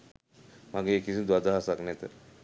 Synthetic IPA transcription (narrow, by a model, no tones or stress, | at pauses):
maɡeekisid̪ʋad̪aɦasaknɛt̪ə̰